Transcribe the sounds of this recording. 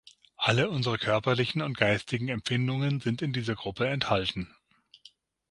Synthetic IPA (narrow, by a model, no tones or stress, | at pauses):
ʔaləʊnzəʁ̞əkʰœɐpɐlɪçn̩ʊnt̚ɡ̥aɪstɪɡŋ̩ɛmfɪndʊŋənzɪntɪndiːzɐɡʁʊpʰəɛnthaltn̩